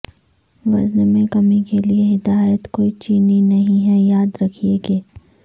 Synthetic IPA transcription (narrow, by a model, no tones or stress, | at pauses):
ʋɐznmẽkɐmikelieɦɪd̪aːjət̪koːit͡ʃiːninɐɦĩɦɛjaːd̪ɾɐkʰieɡeː